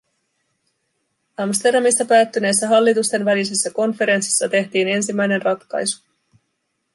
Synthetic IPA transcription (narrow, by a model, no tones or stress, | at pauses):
ɑmst̪e̞rdɑmist̪ɑpæːt̪ːyne̞jsːæɦɑlːit̪ust̪e̞nʋælise̞sːæko̞nfe̞ɾe̞nsi̥sːɑt̪e̞ht̪iːne̞nsimːæjne̞nrɑt̪kɑ̰jsu̥